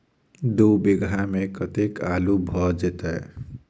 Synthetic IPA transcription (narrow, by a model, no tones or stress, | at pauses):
d̪obeɡɾamekət̪ekaːlubʱɔd͡ʒet̪ɛ